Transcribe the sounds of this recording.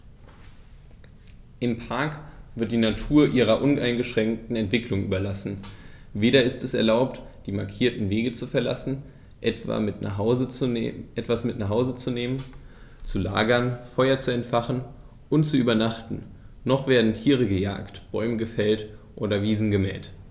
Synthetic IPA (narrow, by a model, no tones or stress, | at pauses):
ʔɪmpʰaɐkv̥ɪɐt̚d̥iːnatʰuːɐʔiːʁ̞ɐʔʊnʔaɪnɡəʃʁ̥ɛŋk̚tn̩ɛntv̥ɪklʊŋʔyːbɐlasn̩ | veːɾɐɪstɛsɛɐlaʊp̚td̥iːmaɐkʰiːɐtn̩veːɡət͡sufɛɐla̰sn̩ | ʔɛtva̰zʔɛtv̥asmɪtnaχhaʊzət͡suneːmən | t͡sula̰ːɡɐnfɔʏɐt͡suɛntfaχn̩ | ʔʊntt͡suʔyːbɐnaχtn̩ | nɔχv̥eːɐdn̩tʰiːʁ̞əɡəja̰ːktb̥ɔʏməɡəfɛlt | ʔoːdɐviːzn̩ɡəmɛ̰ːt